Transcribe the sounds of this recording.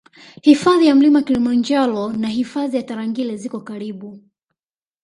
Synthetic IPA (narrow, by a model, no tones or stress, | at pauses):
hifaðijam̩limakilimand͡ʒalɔnaɦifaðijataɾaŋɡilɛzikɔkaɾiɓu